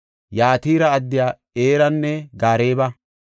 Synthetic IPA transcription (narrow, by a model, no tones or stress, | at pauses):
jaːt̪iːɾɐːd̪ːɪjaː | eːɾɐnːɛɡaːɾeːbɐ